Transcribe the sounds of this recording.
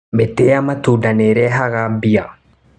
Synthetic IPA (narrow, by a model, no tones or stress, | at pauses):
mɛt̪ːeːamɐt̪udɐneːɾɛɦaɣabija